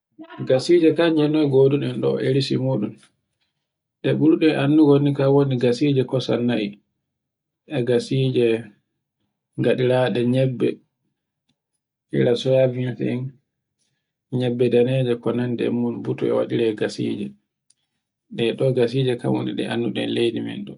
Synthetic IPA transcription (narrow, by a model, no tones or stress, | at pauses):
ɡasid͡ʒɛkad͡ʒɛnːɔjɡoduɗɛnɗɔʔeɾisḭmuːɗum | ɗɛɓuɾuɗɛʔanːuɡonikawoniɡasid͡ʒɛkɔsa̰nːaʔi | ʔɛɡasid͡ʒɛ | ŋɡaɗiɾaɗɛɲɛbːɛ̰ | ʔḭɾasɔjavinfɛ̰n | ɲɛbːɛdanɛd͡ʒɛkɔnandɛ̰munbutuɛ̰wa̰ɗiɾɛɡasḭːd͡ʒɛ | ɗɛɗɔɡasiːd͡ʒɛka̰mwo̰niɗɛ̰ʔa̰nːuɗɛ̰nlejdimɛ̰ndɔ